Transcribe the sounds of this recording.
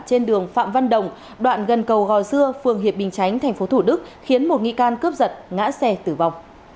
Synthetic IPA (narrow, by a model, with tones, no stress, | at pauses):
t͡ɕe˧nɗɨ˨˩əŋfa̰ː˧˨mva˧nɗə˨˩wŋ͡m | ɗwa̰ː˧˨nɣə˨˩nkə˨˩wɣɔ˨˩jsɨ˧əfɨ˨˩əŋɦi˨˩əp̚ɓï˨˩ŋ̟t͡ɕa˨˦jŋ̟t̪ʰa˨˩ŋ̟fo˨˦t̪ʰu˧˩ɗɨ˦˥k̚xi˨˦ənmo˨˩t̚ŋḭ˧˨kaː˧nkɨ˦˥p̚zə˨˩t̚ŋa̰ː˧˥sɛ˧t̪ɨ˨˩va˨˩wŋ͡m